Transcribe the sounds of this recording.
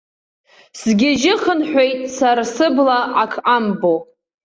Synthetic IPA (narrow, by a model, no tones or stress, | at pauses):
sɡʲɪʒɪχənħʷᶣejtʼsarasɨblaʔakʰʔambo